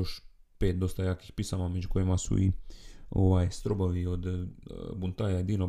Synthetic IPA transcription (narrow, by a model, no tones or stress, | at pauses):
joʃpeːt̪̚d̪o̞st̪ajaːkixpisamamed͡ʒuko̞jimasṵioʋaːjst̪ɾobaʋiod̪bunt̪aːjaed̪iːno